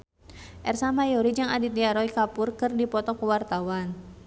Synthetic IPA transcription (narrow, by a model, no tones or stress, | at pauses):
ʔɛrsamajɔɾid͡ʒɨŋadit̪̚diaɾɔikapʊrkɨrdipɔt̪ɔkəwart̪awan